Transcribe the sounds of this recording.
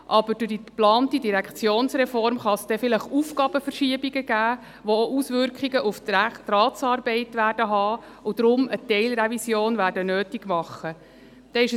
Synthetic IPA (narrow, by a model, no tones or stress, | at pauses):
ʔɑb̥əɾdʊd̥iplɑːntidiɾækt͡sjoːnsrɛfɔɾmχɑsd̥ɛfɪləχufɡ̥ɑːb̥əfərʃiəbiɡəɡæː | ʋooʔusʋʏɾkχiɡəʔufttrɑːtsɑːrbɛɪtʋæːɾdəɦɑː | ʊd̥̪ɾʊmətɛɪlɾevisjoːnvæːrdənøːtiɡ̥mɑχːə | d̥ɛɪʃə